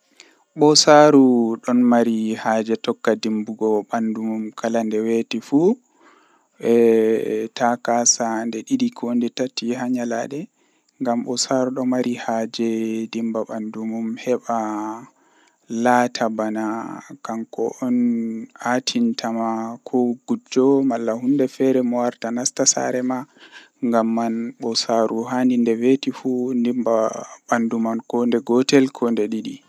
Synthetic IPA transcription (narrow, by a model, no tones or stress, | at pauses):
ɓɔsaɾuɗɔnmaɾihaːd͡ʒɛtɔkːadimbuɡɔɓandumumkʰalandɛwetifu | ɛ | takasandɛɗidikʰondɛtatːihaɲalaɗɛ | ŋɡamɓɔsaɾuɗɔmaɾihad͡ʒɛdimbaɓandumumhɛɓa | latʰabanakaŋkɔʔɔnatʰintʰamakʰɔɡ̥ud͡ʒɔmalːahundɛfɛɾɛmɔwaɾtanastasa̰ɾɛma | ŋɡamːanɓɔsaɾuɦandindɛvetifundimbaɓandumankɔndɛɡɔtɛlkʰɔndɛɗiɗi